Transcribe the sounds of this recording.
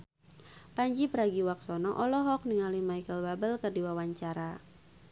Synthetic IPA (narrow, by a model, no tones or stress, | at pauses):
paɲd͡ʒipəɾaɡiwaksɔnɔʔɔlɔɦɔk̚niŋalimajkəlbabəlkərdiwawaɲt͡ʃaɾa